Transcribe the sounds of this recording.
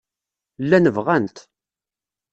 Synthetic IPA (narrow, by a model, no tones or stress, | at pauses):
lːænəvʁænt̪